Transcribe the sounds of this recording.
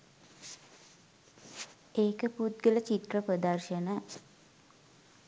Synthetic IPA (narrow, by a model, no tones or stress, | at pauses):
eːkəput̪̚ɡələt͡ʃit̪rəprəd̪arʃənə